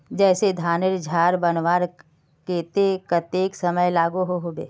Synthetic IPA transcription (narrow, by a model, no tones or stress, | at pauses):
d͡ʒɛːsed̪ʱaːneɾd͡ʒʱaːɾbənʋaːɾ | keːt̪ekət̪eːksɐməjlaːɡuɦoɦoːbḛː